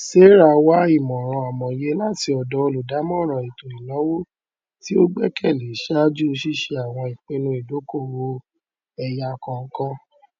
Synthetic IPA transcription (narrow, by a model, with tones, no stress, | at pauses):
se˦ɾa˧˨wa˦i˦˨mɔ̃˨ɾ̃ɔ̃˧a˨mɔ̃˨je˦la˦˨ti˧ɔ˨dɔ˧o˧lu˨da˨˦mɔ̃˦˨ɾ̃ã˨i˨to˨i˨lɔ̃˨˦wo˦ | ti˦o˦ɡ͡bɛ˦kʰɛ˦˨le˨˦ʃa˦d͡ʒu˦˧ʃi˦˨ʃe˧a˨w̃ɔ̃˧i˨k͡pẽ˧nũ˧i˨do˨˦ko˦˨wo˧ | ɛ˧ja˧kɔ̃˧ŋ̩˦kɔ̃˦